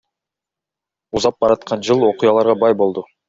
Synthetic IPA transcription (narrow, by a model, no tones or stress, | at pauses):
uzɑp̚bɑɾɑt̪qʰɑnd͡ʒɯlˠo̞qujɑlˠɑɾʁɑbɑjbo̞lˠd̪u